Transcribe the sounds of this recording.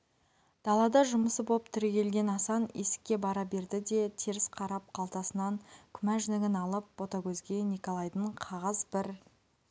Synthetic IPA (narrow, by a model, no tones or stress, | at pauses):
d̪̥ɑlˠɑd̪ɑʒʊməsəbopt̪ʰʏɾekʲe̞lɡʲe̞nɑsɑne̞sɪ̥kʲːe̞bɑɾɑbe̞ɾd̪ɪd̪e̞t̪ʰeɾɪsqʰɑɾɑp̚qʰɑlˠt̪ɑsənɑŋkʲʰʏmæʒʏnɪɡʲɪnɑlˠəp̚wo̞t̪ɑkʲʰɵzɡʲe̞nikolˠɑjd̪əɴqʰɑʁɑzbɪɾ